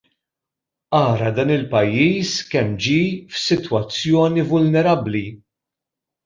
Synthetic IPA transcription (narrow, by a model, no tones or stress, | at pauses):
ɐːɾɐd̪ɐːnɪlpɐjːiːskɛmːd͡ʒiːfsɪt̪wɐt͡sːjɔːnivʊlnɛɾɐbli